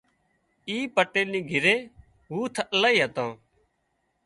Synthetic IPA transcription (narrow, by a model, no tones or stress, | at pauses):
iːpəʈːeːnĩːɡʱɪɾeː | ɦuːt̪ʰəlaːiːɦət̪ãː